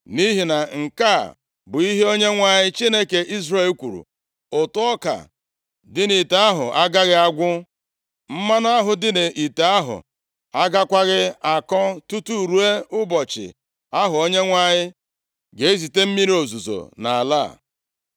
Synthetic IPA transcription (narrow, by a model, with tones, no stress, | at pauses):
ni˦ɦi˨na˨ŋ̩˨ka˦˨ | bʊ˨i˦ɦe˦o˦ɲe˦ŋʷa˨ɲɪ˦t͡ʃi˦ne˦ke˨ʔi˦zre˦˨lkʷu˨ɾṵ˨ | o˨tʊ˦ɔ˦ka̰˨ | dɪ˦ni˨ta˨a˦ɦʊ˨a˦ɡa˦ɣɪ˦a˦ɡʷʊ˦ | m̩˦ma˦na˦ɦʊ˨dɪ˦ne˨ʔi˨ta˨a˦ɦʊ̰˨ | a˦ɡa˦kʷa˦ɣɪ˦a˨kɔ˦tu˦tu˦˨ɾu˨e˦ʊ˦bɔ˨t͡ʃɪ̰˨ | a˦ɦʊ˨o˦ɲe˦ŋʷa˦ɲɪ˦ | ɡe˨˦e˦zi˨te˦m̩˦mi˦ɾi˦o˨zu˨zo̰˨na̰˨a̰˨la̰ː˦˨